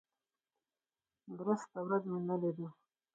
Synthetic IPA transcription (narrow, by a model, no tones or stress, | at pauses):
d̪ɾəst̪awɾazmenaled̪ə